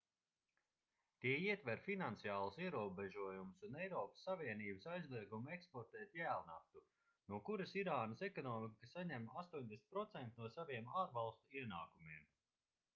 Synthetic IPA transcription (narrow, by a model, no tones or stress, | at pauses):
t̪iɛiɛt̪vɛɾfinant̪sijaːlˠsiɛɾuɔbeʒuɔjumsunɛjɾɔːpə̥sːaviɛniːbəsajzlˠiɛɡumuekspɔɾt̪ɛːt̪jæːlˠna̰ft̪u | nuɔkuɾɐsiɾaːnəsɛkɔnɔːmikəsaɲɛmast̪uɔɲʲd̪esnt̪pɾɔt̪sɛnt̪inuɔsaviɛmaːɾvalˠst̪uiɛnaːkumiɛm